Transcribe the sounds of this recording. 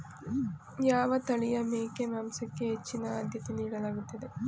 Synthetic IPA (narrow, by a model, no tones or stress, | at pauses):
jaːʋɐt̪ɐɭijɐmeːkemaːmsɐkːeɦːt͡ʃːinɐaːd̪ʱjɐt̪iniːɽɐɭaːɡut̪ːɐd̪e